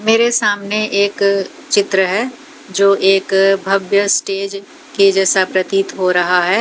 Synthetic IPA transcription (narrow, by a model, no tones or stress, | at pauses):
meːɾesaːmneʔeːk | t͡ʃɪt̪ɾəɦɛː | d͡ʒoːʔeːkbʱɐbjəsʈeːd͡ʒ | kid͡ʒɛsapɾət̪it̪ɦoɾɐɦaɦɛː